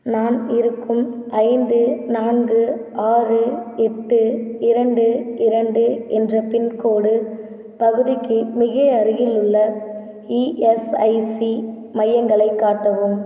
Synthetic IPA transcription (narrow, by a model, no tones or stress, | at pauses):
naːnɪɾɯkːɯmʔɐɪnd̪ɯnaːnɡɯaːrɯɛʈːɯɪɾɐɳɖɯɪɾɐɳɖɯɛndrɐpɪnkoːɽɯ | pɐɣɯɾɪkːɯmɪɣɐɐɾɯjɪlɯɭːɐ | iʔɛsɐɪsi | mɐjːɐŋɡɐɭɐɪkːaːʈːɐʋɯːm